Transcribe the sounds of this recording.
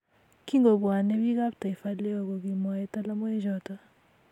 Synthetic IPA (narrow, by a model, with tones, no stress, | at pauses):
ki˦ŋɡo˨bwa˨ne˦bi˦ɡa˦pta˨fa˦le˦o˨ɡo˨ɡi˨mɔ˨ɛ˦ta˦la˦mɔ˦ɛ˦d͡ʒɔ˨ta˦